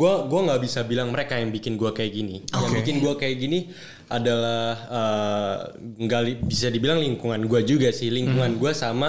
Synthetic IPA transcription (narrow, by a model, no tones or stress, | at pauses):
ɡuaɡuaŋɡabisabilaŋməɾekajaŋbikɪnɡuakajak̚ɡiniojaŋbikɪnɡuakajaɡini | adalahəː | ŋɡalibisadibilaŋliŋkuŋanɡuad͡ʒuɡasɪhliŋkuŋanɡuasama